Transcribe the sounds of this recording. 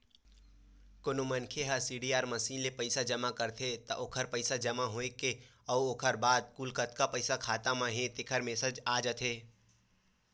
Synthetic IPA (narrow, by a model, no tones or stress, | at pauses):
kʊnumɐnkʰeɦɐsiːɖiːaːɾmɐsiːnlepɐɪsad͡ʒɐmakɐɾt̪ʰet̪ɐʔʊkʰəɾpəɪsad͡ʒɐmaɦoekeɐuokʰəɾbaːd̪̚kuːlkət̪kapɐɪsakʰaːt̪amãɦẽt̪ɪkʰəɾmeːsəd͡ʒaːd͡ʒət̪ʰeː